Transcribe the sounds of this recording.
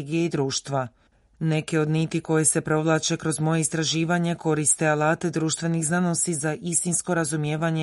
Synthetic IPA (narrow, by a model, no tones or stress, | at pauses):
ɡijeid̪ɾuːʃt̪ʋa | ne̞ke̞o̞d̪nit̪iko̞je̞se̞pɾo̞ʋlˠat͡ʃe̞kɾo̞zmo̞je̞ist̪ɾaʒiːʋaɲe̞ko̞ɾist̪e̞alaːt̪e̞d̪ɾuːʃt̪ʋe̞nixznanosizaʔist̪insko̞ɾazumjeːʋaɲe